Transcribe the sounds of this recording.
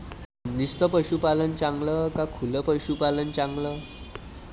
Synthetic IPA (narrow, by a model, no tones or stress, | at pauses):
ənd̪ist̪əpəɕupalənt͡sãŋɡləkakʰuləpəɕupalənt͡sãŋɡlə